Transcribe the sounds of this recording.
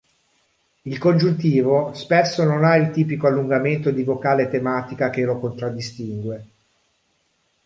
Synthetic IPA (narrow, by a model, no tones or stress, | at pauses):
ilkond͡ʒunt̪iːvospesːononailt̪iːpikoalːuŋɡament̪od̪ivokaːlet̪emaːt̪ikak̟elokont̪ɾad̪ːist̪iŋɡwe